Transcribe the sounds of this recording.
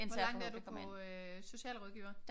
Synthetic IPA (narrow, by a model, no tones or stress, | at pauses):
ensʋɒælɑ̈ŋ̰d̥æɐdu̥kʰɒme | so̝ɕɛ̰ːlʁɔð̞ˠɡ̥iʊ̰ɐ̥